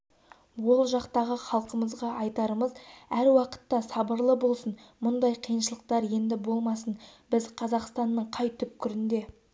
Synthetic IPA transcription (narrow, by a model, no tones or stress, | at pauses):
wo̞lˠʒɑqt̪ɑʁəχɑlˠqəməzʁɑʔɑjt̪ɑɾəməzæɾwɑqə̥t̪ːɑsɑbəɾlˠəbo̞lˠsənmʊnd̪ɑjqʰijənʃəlˠəq̚t̪ɑɾje̞nd̪ɪbo̞lˠmɑsənbɪzqʰɑzɑqst̪ɑnːəɴqʰɑjt̪ʰʏp̚kʲʰʏɾɪnd̪e̞